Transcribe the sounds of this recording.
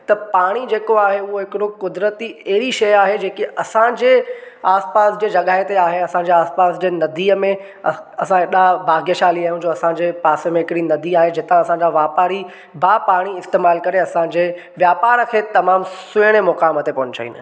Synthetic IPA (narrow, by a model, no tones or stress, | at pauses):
t̪ɐpaːɽ̃id͡ʑeːkoaːɦeʊɦoɦɪkɪɽokʊd̪ɾət̪iɐɦɪɾiʃɐjaːɦed͡ʑeːkiʔɐsãd͡ʑeːaːspaːsd͡ʑeːd͡ʑɐɠaːɦɪt̪eaːɦeɐsãɲd͡ʑeaːspaːsd͡ʑeːnɐd̪iːəmẽ | ɐsãeɗabʱaːɡʱijəʃaːliaːɦjũd͡ʑoːɐsãd͡ʑeːpaːsəmẽɦɪkɪɽinɐd̪iaːɦed͡ʑɪt̪ãɐsãɲd͡ʑaʋaːpaːɾi | baːpaːɽ̃iɪst̪eːmaːlkɐɾeɐsãd͡ʑeː | ʋjaːpaːɾəkʰeːt̪ɐmaːmsʊjɽ̃emɔkaːmət̪epɐnɪt͡ɕɐ̰ʋḭːnɪ̰̆